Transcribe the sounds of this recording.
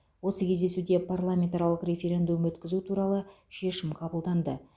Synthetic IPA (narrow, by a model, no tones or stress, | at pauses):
wo̞səkʲʰe̞zd̪e̞sud̪e̞parlˠamʲent̪aɾɑlˠəqɾʲe̞fʲeɾʲe̞nd̪umwɵt̪kʲɪzut̪ʰuɾɑlˠə | ʃe̞ʃɪmqʰɑbəlˠd̪ɑnd̪ə